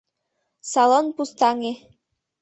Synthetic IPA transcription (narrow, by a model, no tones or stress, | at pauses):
sɑlonpust̪ɑŋe